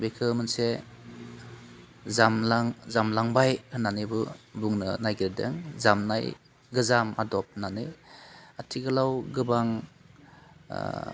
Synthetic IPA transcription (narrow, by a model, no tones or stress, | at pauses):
bekʰɯmɯnse | zamlaŋzamlaŋbajkʰɯnːanɯbɯbuŋnɯ̰najɡiɾdḛŋzamnaj | ɡɯzamadɔp̚nanɯ | atʰiɡɯlawɡɯbaŋ